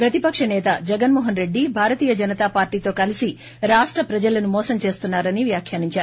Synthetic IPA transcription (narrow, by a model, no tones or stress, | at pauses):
pɾɐt̪ipɐkʂɐnɛːt̪ɐd͡ʒɛɡɐnmɔːɦɐnɾe̞ɖːibʱaːɾɐt̪iːjɐd͡ʒɐnɐt̪aːpaːɾʈiːt̪o̞ːkɐlisi | ɾaːʂʈɾɐpɾɐd͡ʒɐlɐnumɔːsɐmt͡ʃe̞ːst̪unːaːɾɐniʋjaːkʰjaːɾiɲt͡ʃaːɾu